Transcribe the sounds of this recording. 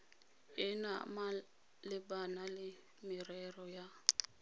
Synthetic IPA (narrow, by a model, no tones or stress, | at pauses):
ɪna̰ma | lɪbanalɪ | mɪrɛrɔja